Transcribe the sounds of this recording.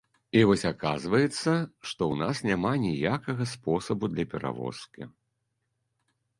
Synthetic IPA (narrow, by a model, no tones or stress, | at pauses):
ivɔsʲakazvɐjɛt̪sːɐʂt̪ɔwnasnʲamanʲijakɐɣɐspɔsɐbud̪lʲɐpʲɛɾʔa̰vɔ̰skʲḭ